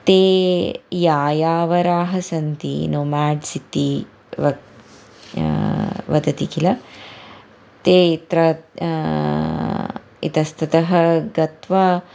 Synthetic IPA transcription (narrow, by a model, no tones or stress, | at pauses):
t̪eːjaːjaːʋɐɾaːɦɐsɐnt̪ḭnoːmaːɖsit̪i | ʋɐ | ʋɐd̪ɐt̪ikilɐ | t̪eːit̪ɾɐ | it̪ɐst̪ʰɐt̪ɐɦɐɡɐt̪ʋɐ